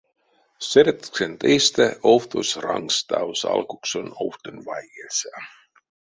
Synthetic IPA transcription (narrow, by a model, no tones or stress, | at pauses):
seɾt̪ksent̪ejst̪æoft̪osrɑ̰ŋst̪ɑwsɑ̰lkuksonoft̪ənvɑjɡesa